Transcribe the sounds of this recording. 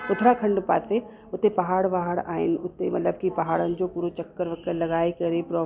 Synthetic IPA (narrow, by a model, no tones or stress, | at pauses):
ʊt̪ʰɾakʰɐ̃ɳɖpa̰ːse | ʊt̪ːepɐɦaːɽʋaːɦəɽa̰ːɪ̰nʊt̪ːemɐ̰t̪ləb̚kipɐɦaːɽənd͡ʒoːpuːɾot͡ʃɐkːəɾʋɐkːəɾlɐɡaːikɐɾepɾɔː